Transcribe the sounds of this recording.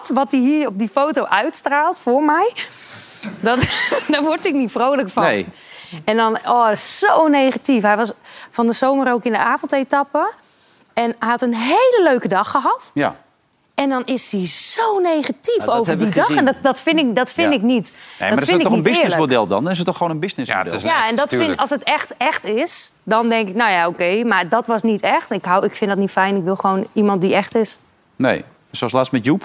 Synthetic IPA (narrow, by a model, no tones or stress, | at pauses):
tʋɔt̚diɦiːɹɔp̚difowtoʔœɥtstraːlˠtfʊrmɛj | dɔtdɔʋɔrtɪk̚nitfrowləkfɔ | ɛndɔnɔːɪssownejχatifɦɛjʋɔsfɔndəsowməɾowkɪndə̰aːfɔntetɑpə | ɛnɛhɑtənɦejləløɥkədɑxəɦatj̰ | ɛndɔnɪsiz̥ownejχatifowvədidɔxɛndɔdɔtfɪnɪkdɔtfɪnɪknitḛdɔfɪnɪɔninbɪnɪlsəmodɛlˠdɔ̰ndnɪs̬ətːɔχxoːnənbɪsnɪsdɛ̰jaɛndɔtɪɔlˠsətɛxtɛxtɪsdɔndɛŋkɪknojaokeːmardɔtʋɔsnitɛxtɪkɦawɪkfɪndɔtnitfɛjnɪkʋɪlˠxəʋoːnimɑnt̚diɛxtɪs | nḛj | soɔslaːsmɛtjup